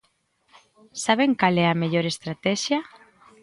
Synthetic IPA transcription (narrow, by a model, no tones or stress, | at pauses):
saβ̞eŋkalɛameʎoɾest̪ɾat̪ɛʃjɐ